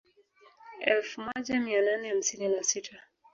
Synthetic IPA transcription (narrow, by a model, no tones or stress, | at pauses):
ɛlfmɔʄamiananɛham̩sininasitʰa